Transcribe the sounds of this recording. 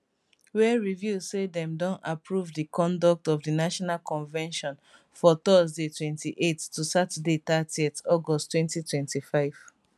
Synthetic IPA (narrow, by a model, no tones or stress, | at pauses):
wɛɹivjuzsedɛ̃mdɔ̃napɹuvdikʰɔ̃ndɔk̚tɔvdinaʃɔnalkɔ̃nvɛ̃nʃɔ̃n | fɔtɔzdetʰwɛ̃ntiʔettːusatadetatiɛtɔɡɔsttːwɛ̃ntitʰwɛ̃ntifaɪv̥